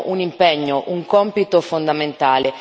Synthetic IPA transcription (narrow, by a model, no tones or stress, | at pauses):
ʔunimpeɲːoʔuŋkɔmpit̪ofond̪ament̪aːle